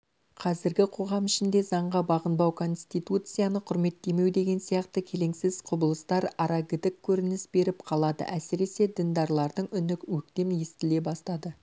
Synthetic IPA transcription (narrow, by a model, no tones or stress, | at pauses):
qʰɑzɪɾɡʲɪqʰo̞ʁɑmɪʃɪnd̪e̞zɑɴʁɑbɑʁənbɑwkʰo̞nst̪ijt̪ut̪sɨjanəqʰʊɾme̞t̪ːe̞me̞wd̪e̞ɡʲe̞nsijɑqt̪əkʲʰe̞le̞ŋsɪz̥qʰʊbəlˠəst̪ɑɾɑɾɑɡʲɪd̪ɪkʲʰːɵɾɪnɪsbe̞ɾɪpqʰɑlˠɑd̪ə̰ʔæsɪɾe̞se̞d̪ɪnd̪ɑɾlˠɑɾd̪əɴʏnɪkwɵk̚t̪e̞mje̞st̪ɪle̞bɑst̪ɑd̪ə